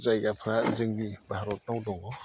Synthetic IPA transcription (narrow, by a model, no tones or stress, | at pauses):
zajɡapʰɾazɯŋnibʱaɾɔt̚nawdɔŋɔ